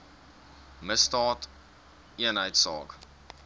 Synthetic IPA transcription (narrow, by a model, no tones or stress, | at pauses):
məstɑːt | iənɦəjtsɑ̰ːk